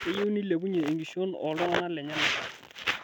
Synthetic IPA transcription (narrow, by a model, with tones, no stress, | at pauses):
ɪ˦je˦ni˦le˨bu˦ɲe˨e˨ŋɡi˨ʃo˦nɔ̰˨lɔ˦a˦na˦lɛ˨ɲa˦na˦a˨